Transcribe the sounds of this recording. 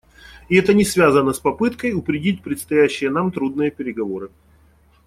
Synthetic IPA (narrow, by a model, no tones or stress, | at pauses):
ɪɛt̪ənʲɪsvʲazənəspɐpɨt̪kəjʊpɾʲɪdʲit̚ʲpɾʲɪt̪st̪ɐjæɕːɪjənamt̪ɾud̪nɨjəpʲɪɾʲɪɡɐvo̞ɾɨ